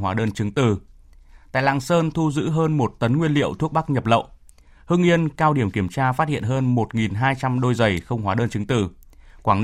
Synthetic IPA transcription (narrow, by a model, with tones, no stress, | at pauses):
waː˨˦ɗəː˧nt͡ɕɨ˨˦ŋt̪ɨ˨˩t̪a̰ː˧˨jla̰ː˧˨ŋsəː˧nt̪ʰu˧zɨ̰˧˥ɦəː˧nmo˨˩t̚t̪ə˨˦nŋwi˧ənlḭ˧˨əwt̪ʰu˦˥ək̚ɓa˦˥k̚ɲə˨˩p̚lə̰˧˨wʔ | hɨ˧ŋʔi˧ənkaː˧wɗi˧˩əmki˧˩əmt͡ɕaː˧faː˦˥t̚hḭ˧˨ənɦəː˧nmo˨˩t̚ŋi˨˩nɦaː˧jt͡ɕa˧mɗo˧jzə˨˩jxə˧wŋ͡mɦwaː˨˦ɗəː˧nt͡ɕɨ˨˦ŋt̪ɨ˨˩ | kwaː˧˩ŋ